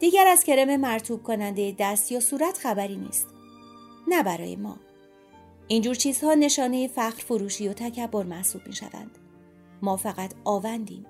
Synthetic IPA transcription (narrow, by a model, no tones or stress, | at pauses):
d̪̥iːɟæɾæzcʰe̞ɾe̞memæɾt̪ʰuːb̥̚kʰonænd̪ejed̪æst̪jɒːsuːɾæt̪ʰχæbæɾiːnḭːst̪ | næbæɾɒ̰ːjḛmɒ̰ː | ʔind͡ʒuːɾt͡ʃʰiːz̥hɒːne̞ʃɒːne̞jefæxɾfoɾuːʃiːjo̞t̪ʰæcʰæbːo̞ɾmæhsuːb̥̚mḭːʃæ̰væ̰nd̪̥ | mɒːfæɣæt̪ʰɒːvænd̪ḭːm